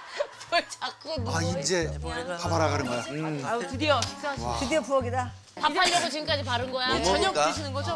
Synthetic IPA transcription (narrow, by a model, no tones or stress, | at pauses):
pʌɭt͡ɕak͈eaind͡ʑe̞kʰapʰaɾaɡanɯnɡʌjoatɯdiʌɕʰi̥t͡ɕ͈ɯdiʌpuʌɡida | aaɾʌɡot͡ɕimk͈ad͡ʑipaɾɯnɡʌjaʌɲʌkaɕʰinɯnɡʌd͡ʑo